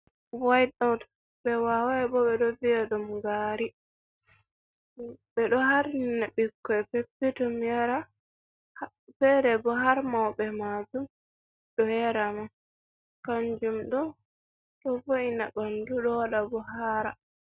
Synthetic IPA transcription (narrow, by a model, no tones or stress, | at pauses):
wajɗɔt | bɛwawaɛbɔbɛɗɔviɛɗɔmɡaːɾi | bɛɗɔhaɾninabikːɔɛpepːɛtɔmjaɾa | h | fɛɾɛbɔɦaɾmawbɛmad͡ʒum | ɗɔjɛɾaman | kaɲd͡ʒumɗɔ | tɔvoinabanduɗɔwaɗabɔhaɾa̰